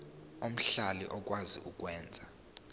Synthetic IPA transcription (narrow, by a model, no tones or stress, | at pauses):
om̩ɬalḭʔɔk̬ʼwazḭʔuk̬ʼwɛːnd͡zʱa